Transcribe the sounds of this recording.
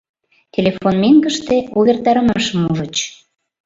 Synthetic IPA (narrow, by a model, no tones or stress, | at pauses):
tʲelʲefonmeŋɡəʃt̪euβʲert̪ɑɾəmɑʃə̆muʒə̆t͡ɕ